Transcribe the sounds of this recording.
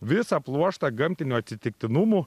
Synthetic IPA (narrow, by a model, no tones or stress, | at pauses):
ʋʲɪsɐplˠuɔʃt̪ɐɡɐmʲt̪ʲɪnʲuɐt̪ʲsʲɪt̪ʲɪk̚ʲt̪ʲɪnumu